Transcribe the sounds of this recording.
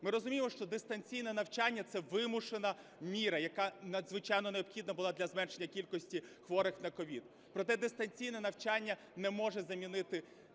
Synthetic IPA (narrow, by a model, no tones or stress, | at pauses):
mɪɾɔzʊmʲijemɔʃt͡ʃɔd̪est̪ɐnʲt͡sʲijnɛnɐwt͡ʃanʲːɐt̪sɛʋɪmʊʃenɐmʲiɾɐjɐkɑnɐd̪zʋɪt͡ʃajnɔneɔbxʲid̪nɐbʊlˠɑd̪lʲɐzmɛnʃe̞nʲːɐkʲilʲkɔsʲtʲixʋɔɾɪxnɐkɔʋʲid̪ | pɾɔt̪ɛd̪est̪ɐnʲt͡sʲijnɛnɐwt͡ʃanʲːɐ | nɛmɔʒɛzɐmʲinɪt̪ɪ